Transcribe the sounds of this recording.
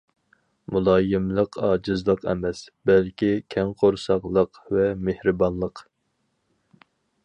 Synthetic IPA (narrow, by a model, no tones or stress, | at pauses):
mulˠɑːjɨmlˠəqʰɑːd͡ʒɨzlˠəqʰɛ̰mɛsbɛlkʲikʲʰɛŋqʰoɾsɑqlˠəqvɛmehɾɨbɑnlˠəq